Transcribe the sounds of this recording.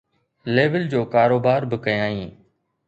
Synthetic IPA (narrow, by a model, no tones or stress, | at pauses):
leːʋəld͡ʑoːkaːɾoːbaːɾbɪkɐjãːĩː